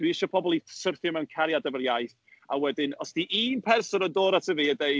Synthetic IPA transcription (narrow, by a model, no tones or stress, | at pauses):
d̥wiɪʃɔpʰɔbɔlˠi̥sərθjɔmɛwnkʰaɾjadəvərjajθ | a̰wɛdɪnɔsd̥iʔiːnpʰɛrsɔnəndoːɾatʰəviːədej